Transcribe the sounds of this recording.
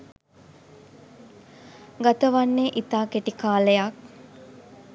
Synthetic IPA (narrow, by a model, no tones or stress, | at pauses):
ɡat̪əʋanːeʔit̪aːkeʈikaːləjak̚